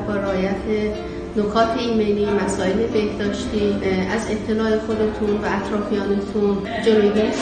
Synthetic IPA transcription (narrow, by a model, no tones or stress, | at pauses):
bɒːɾɒːjæt̪ʰe | nokʰɒːt̪ʰe̞iːme̞jliːmæsɒːe̞le̞be̞hd̪ɒːʃt̪iːæze̞t̪ʰːe̞lɒːe̞xo̞d̪e̞t̪ʰunvæːt̪ʰɾɒːfijɒːnet̪ʰun | d͡ʒeloɡis